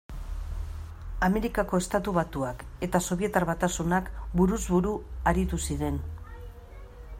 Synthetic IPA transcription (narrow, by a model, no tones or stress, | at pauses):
ame̞ɾikako̞e̞st̪at̪uβat̪uake̞t̪aso̞βie̞t̪aɾβat̪asunakbuɾuzβuɾuaɾit̪usiɾe̞n